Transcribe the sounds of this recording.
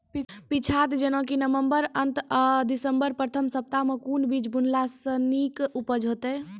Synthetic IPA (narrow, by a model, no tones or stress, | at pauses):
pit͡ʃʰat̪d͡ʒenõkinəʋəmbəɾənt̪d̪isəmbəɾpɾət̪ʰəmsəp̚t̪amẽkunbid͡ʒbunlasənikupəd͡ʒɦot̪ɛ